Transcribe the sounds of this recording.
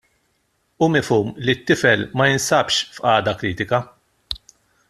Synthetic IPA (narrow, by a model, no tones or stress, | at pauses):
ʊmɪfuːmlit̪ːɪfɛlmɐjɪnsɐpʃfʔɐːd̪ɐkɾiːt̪ɪkɐ